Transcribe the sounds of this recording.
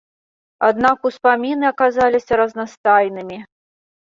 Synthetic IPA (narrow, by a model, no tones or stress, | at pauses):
ad̪̚nakuspamʲinɨɐkazalʲisʲɐɾɐznast̪ajnɨmʲi